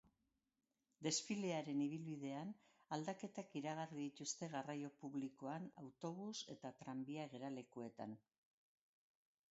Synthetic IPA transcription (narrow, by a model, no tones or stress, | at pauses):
d̪e̞sfile̞aɾe̞niβ̞ilβiðe̞an | ald̪ake̞t̪akiɾaɣ̞ariðit̪ust̪e̞ɣarajo̞puβliko̞ana̰wt̪o̞β̞use̞̰t̪at̪ɾambiaɣe̞ɾale̞kue̞t̪a̰n